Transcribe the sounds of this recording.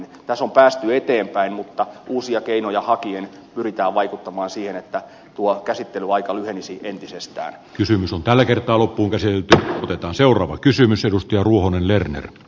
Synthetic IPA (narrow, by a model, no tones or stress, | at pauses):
t̪æsompæːst̪yet̪eːmpæinmut̪ːɑʔuːsiɑkeinojɑhɑkien | pyrit̪æːʋʋɑikut̪ːɑmɑːnsiːhenet̪ːæ | t̪uokæsit̪ːelyɑikɑlyhenisiʔent̪isest̪æ̰ːnkysymysont̪ælːækert̪ˑɑːlopːuːŋkæsit̪elt̪yot̪et̪ɑːnseˑurˑɑːʋɑkysymysedust̪ɑjɑruohonenlernḛr